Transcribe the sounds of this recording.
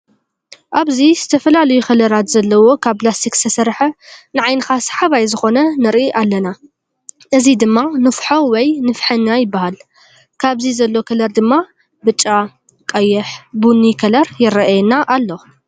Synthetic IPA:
ʔaβzizɨt̪ʰɐfɐlalɐjuxɐlɐɾat̪zɐlːɐwo̞kʰaβplast̪ʰikst̪ʰɐsɐɾħɐnɨʕajnɨxasħaβajzɨxo̞nɐnɨɾʔiʔalːɐna | ʔɨzid̪ɨmːanɨfħowɔjnɨfħɨnːajɪbːahal | kʰaβzizɐlːo̞kʰɐlɐɾd̪ɨmːa | bɨt͡ʃʼːa | kʼɐjɛħbunikʰɐlɐɾjɪɾɐʔjɛnaʔalːo̞

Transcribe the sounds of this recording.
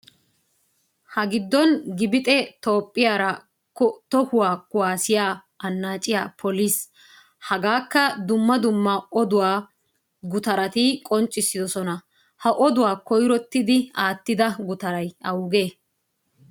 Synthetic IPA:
hɐɡɪd̪ːɔnɡɪbɪt̪ʼɛt̪o̞ːpʼːɪjaːɾɐ | kɔt̪ɔhʊwaːkʊwaːsɪjaː | ɐnːaːt͡ʃʼːɪja̰ːpʰɔlis | hɐɡaːkːɐd̪ʊmːɐd̪ʊmːɐʔɔd̪ʊwaː | ɡʊt̪ɐɾɐt̪ikʼɔnt͡ʃʼːɪsːɪd̪ɔsɔnɐ | hɐʔɔd̪ʊwaːkɔjɾɔt̪ːɪd̪ɪaːt̪ːɪd̪ɐɡʊt̪ɐɾɐjɐwʊɡe̞ː

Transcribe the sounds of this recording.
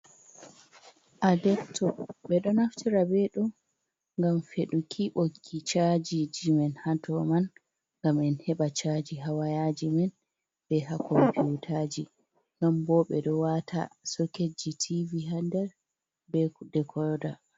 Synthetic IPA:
ʔadɛptʰɔɓɛɗɔnaftiɾabɛɗɔ | ŋɡamfeɗukʰiɓokʰːit͡ʃad͡ʒid͡ʒimɛnhatʰɔman | ŋɡamɛnhɛɓat͡ʃad͡ʒiɦawajad͡ʒimɛn | bɛɦakʰɔmpiutʰad͡ʒi | nɔnbɔɓɛɗɔwatʰa̰soked͡ʒitʰiviɦandɛɾ | bɛdɛkʰɔda

